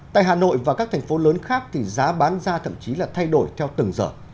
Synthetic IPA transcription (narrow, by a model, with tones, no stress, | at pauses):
ta̰ː˧˨jɦaː˨˩no̰˧˨jvaː˨˩kaː˦˥k̚t̪ʰɛ˨˩ŋ̟fo˨˦ləː˨˦nxaː˦˥k̚t̪ʰi˨˩zaː˨˦ɓaː˨˦nzaː˧t̪ʰə̰˧˨mt͡ɕi˨˦laː˨˩t̪ʰa˧jɗo˧˩jt̪ʰɛ˧wt̪ɨ˨˩ŋzə̰ː˧˩